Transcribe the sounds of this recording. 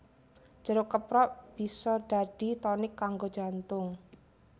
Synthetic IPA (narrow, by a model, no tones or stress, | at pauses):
d͡ʒ̥əɾʊkəpɾɔʔb̥i̤sɔɖ̥a̤ɖ̥i̤t̪ɔnɪkːaŋɡo̥d͡ʒ̥ant̪ʊŋ